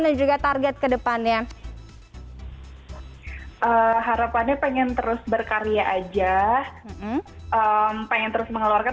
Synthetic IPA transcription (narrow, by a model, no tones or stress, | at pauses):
ndand͡ʒuɡat̪arɡɛt̪̚kədəpanɲa | ʔəɦaɾapanɲapeŋɛnt̪əɾʊsbərkaɾijaʔad͡ʒahm̩ʔəmpeŋɛnt̪əɾʊsməŋəluarka